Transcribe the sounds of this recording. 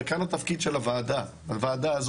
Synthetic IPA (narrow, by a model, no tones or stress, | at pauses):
kanat̪afkid̪ʃelavaːd̪a | avaːd̪aːz